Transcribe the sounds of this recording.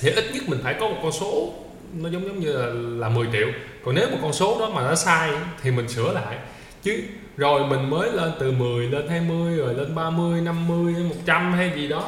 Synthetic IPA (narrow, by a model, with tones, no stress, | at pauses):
t̪ʰe˨˩ʔi˦˥t̚ɲə˦˥t̚mï˨˩ŋ̟faː˧˩jkɔ˨˦mo˨˩t̚kɔ˧nso˨˦ | nɔ˨˦zə˨˦wŋ͡mzə˨˦wŋ͡mɲɨ˧laː˨˩laː˨˩mɨ˨˩əjt͡ɕḭ˧˨əwkɔ˨˩ne˨˦wmo˨˩t̚kɔ˧nso˨˦ɗɔ˨˦maː˨˩ɔ˨˦saː˧jt̪ʰi˨˩mï˨˩ŋ̟sɨ̰˧˩əla̰ː˧˨jʔ | t͡ɕɨ˨˦ | zo˨˩jmï˨˩ŋ̟məː˨˦jle˧nt̪ɨ˨˩mɨ˨˩əjle˧nhaː˧jmɨ˧əjəː˨˩le˧nɓaː˧mɨ˧əjna˧mːɨ˧əjmo˨˩t̚t͡ɕa˧mha˧jzi˨˩ɗɔ˨˦